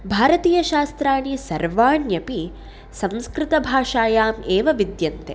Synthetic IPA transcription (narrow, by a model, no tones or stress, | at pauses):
bʱaːɾɐt̪iːjɐʃaːst̪ɾaːɳisɐɾʋaːɳjɐpi | sɐ̃wskɾɪt̪ɐbʱaːʂaːjaːmeːʋɐʋid̪jɐnt̪e